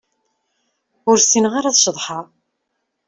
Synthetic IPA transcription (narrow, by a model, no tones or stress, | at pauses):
ʊɾsinʁaɾaðʃðˤħa